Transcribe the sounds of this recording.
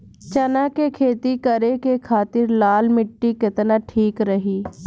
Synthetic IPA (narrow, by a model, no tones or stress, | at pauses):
t͡ʃənaːkekʰeːt̪ikəɾekekʰaːt̪ɪɾlaːlmɪʈːikɪt̪naʈʰiːkɾəɦiː